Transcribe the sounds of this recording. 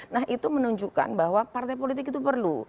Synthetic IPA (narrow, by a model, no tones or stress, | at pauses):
naɦʔit̪umənuɲd͡ʒuka̰nbaɦwapart̪ajpolit̪ɪkit̪upərlu